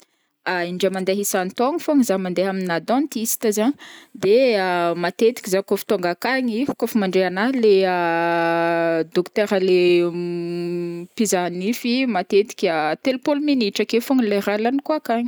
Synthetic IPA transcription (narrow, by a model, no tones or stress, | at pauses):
aiɳɖ͡ʐamand̪eɦisant̪oŋifoŋizamand̪eɦaminad̪ɔ̃nt̪isi̥t̪azaɲd̪eamat̪et̪i̥kʲizakofi̥t̪oŋɡakaɲikofumaɳɖ͡ʐeanalea | d̪okt̪ɛɾale | pizanifimat̪et̪i̥kʲat̪elpolminiʈ͡ʂakefoŋileralanikuakaɲi̥